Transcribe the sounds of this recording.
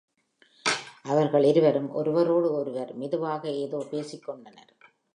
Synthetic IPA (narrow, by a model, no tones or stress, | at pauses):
ʔɐʋɐɾɣɐɭɪɾɯʋɐɾɯmʔɔ̰ɾɯʋɐɾoːɽɯɔɾɯʋɐɾmɪðɯʋaːɣɐeːðoːpeːsɪkːɔɳɖɐnɐɾ